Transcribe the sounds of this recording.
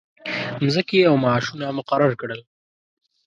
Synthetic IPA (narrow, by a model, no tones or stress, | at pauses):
mzəkeawmɑːʃunamʊqaɾaɾkɽəl